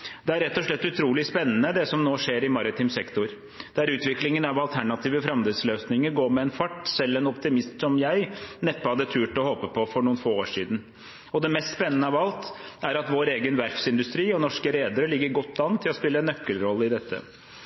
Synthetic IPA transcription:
d̪̥ɛæɾːɛt̪ːɔʂɭɛt̪ːʉt̪ʰɾuːlɪspɛnːənəd̪ɛsɔmnoːʂeːɾɪmɑɾɪt̪ʰɪmsɛkt̪ʊɾ | d̪̥æɾʉːt̪ʋɪklɪŋənɑʋɑlt̪ʰæɳɑt̪ʰiːʋəfɾɑmd̪ɛsløːsnɪŋəɾɡoːɾmɛɛnfɑʈːsɛlːɛnɔpt̪ɪmɪst̪sɔmjæɪnɛpːəhɑd̪ːət̪ʰʉːʈɔhoːpəpʰɔfɔɾɳuːənfoːoːʂiːd̪n̩ | ɔd̪ɛmɛst̪spɛnːənəɑʋɑlt̪æɾɑt̪ʋoːɾeːɡənʋæɾfsɪnd̪ʉst̪ɾiːɔnɔʂkəɾeːd̪əɾəɭɪɡːəɾɡɔt̪ːɑnt̪ʰːɪlɔspɪlːəɛnːœkːəlɾɔlːəɪd̪ɛt̪ʰːə̰

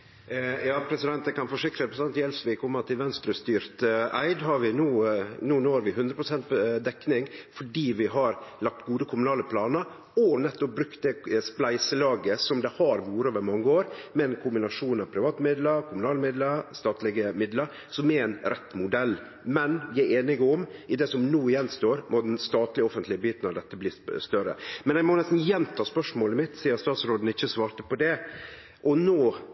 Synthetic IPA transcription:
jɑːpʰɾɛsɪd̪ɛnt̪əkʰɑnfɔʂɪkɾəɛpʰɾɛsɛnt̪jɛlsʋɪkʰɔmːət̪ʰɪlʋɛnst̪ɾʉːst̪yːɾt̪æ̰ɪd̪hɑɾʋɪnuːnuːnuːɑɾʋɪhʉnd̪ɾəpʰɾʊsɛnt̪̚d̪ɛkːnɪŋfɔɖiːʋɪɦɑɾlɑk̚t̪ɡuːd̪əkʰʊmʉnɑːləpʰlɑːnəɾ | ɔnɛt̪ːɔp̚bɾʉkt̪̚d̪ɛsplæɪsəlɑːɡəsɔmd̪ɛhɑɾʋuːɾəoːʋəɾmɑŋːəoːɾmɛnkʰʊmbɪnɑʂuːnɑʋpʰɾɪʋɑːt̪əmɪd̪ləɾkʰʊmʉnɑːləmɪd̪ləɾst̪ɑːt̪lɪɡəmɪd̪ləɾ | sɔmɛæɪnɾʔɛt̪ːmʊd̪ɛl | mɛnʋɪæɾeːnɪɡɔmɪd̪ɛsɔmnuːɪjɛnːst̪oːɾmɔd̪ɛnst̪ɑːt̪lɪɔfənt̪lɪəbyːt̪nɑd̪ɛt̪ːəbliːst̪œɾə̰mɛnæɪmɔnɛst̪n̩jɛnt̪ʰɑːspœʂmoːləɪmɪt̪sɪɑst̪ɑːt̪sɾoːd̪n̩ɪçːəsʋɑːɾt̪əpʰɔd̪ɛ | ʔɔnoː

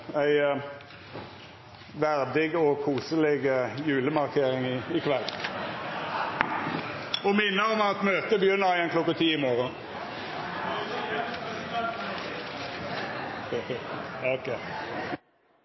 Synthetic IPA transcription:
æɪ | ʋæʁd̪ɪɡɔkʰuːsəlɛɡjʉːləmɑʁkʰeːʁɪŋɪɪkʰʋɛlː | ɔmɪnːəʁɔmɑt̪møːt̪əbjʏnəɑɪənklɔkːɑt̪ʰiːɪmoːʁə | ke

